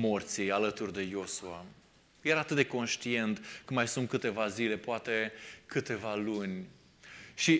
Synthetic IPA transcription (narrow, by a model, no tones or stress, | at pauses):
mort̪sijalət̪urd̪e̞jo̞sua | jeɾaːt̪ɨt̪̚d̪eko̞nʃt̪ie̞nt̪kəmajsunt̪̚kɨt̪e̞vazile̞poat̪e̞kɨt̪e̞valunʲ | ʃi